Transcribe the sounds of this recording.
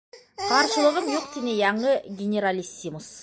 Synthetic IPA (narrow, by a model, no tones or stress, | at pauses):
qʰɑɾʃə̆lˠəʁəɴjoq̚t̪ʰinejɑɴəɡʲenʲeɾalʲisːimus